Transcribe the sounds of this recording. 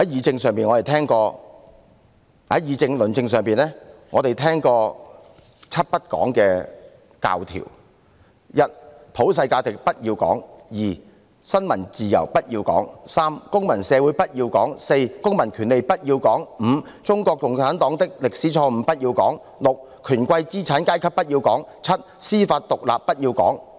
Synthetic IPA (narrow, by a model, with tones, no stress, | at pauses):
hɐ˨˦˥jjiː˨˧t͡sɪ˧ŋsœː˨ŋpiː˨nŋɔː˨˧e˨jt̪ʰɛː˥ŋkɔː˧ | hɐ̰˨˥jiː˨˧t͡sɪ˧ŋlɵ˨nt͡sɪ˧ŋsœː˨˩ŋpiː˨˩nɛː˥ŋɔː˨˧t̪e˨jt̪ʰɛː˥ŋkɔː˧ | t͡sʰɐ˥t̚pɐ˥t̚kɔ̰ː˨˥ŋkɛː˧ | ka̰ː˧wt̪ʰḭː˨˩w | jɐ˥t̚pʰo˨˥ws̬ɐ˧jkaː˧t͡sɪ˨k̚pɐ˥t̚jiː˧wkɔ̰ː˨˥ŋjiː˨˩ | sɐ˥nmɐ˨˩nt͡siː˨jɐ̰˨˩wpɐ˥t̚jiː˧wkɔ̰ː˨˥ŋsaː˥mkʊ˥ŋmɐ˨˩nsɛː˨˧wuː˨˥jpɐ˥t̚jiː˧wkɔː˨˥ŋse˧jkʊ˥ŋmɐ˨˩nkʰyː˨˩nle˨jpɐ˥t̚jiː˧wkɔː˨˥ŋm̩˨˧t͡sʊ˥ŋkʷɔː˧k̚kʊ˨ŋt͡sʰaː˨˥nt̪ɔː˨˥ŋt̪ɪ˥k̚lɪ˨k̚siː˨˥t͡ʃʰɔː˧m̩˨˧pɐ˥t̚jiː˧wkɔː˨˥ŋ | lʊ˨k̚ | kʰyː˨˩nkʷwɐ˧jt͡siː˥t͡sʰaː˨˥nkaː˥jkʰɐ˥pːɐ˥t̚jiː˧wkɔː˨˥ŋt͡sʰɐ˥t̚siː˥faː˧t̚t̪ʊ˨k̚la̰ː˨p̚ːɐ˥t̚jiː˧wkɔ̰ː˨˥ŋ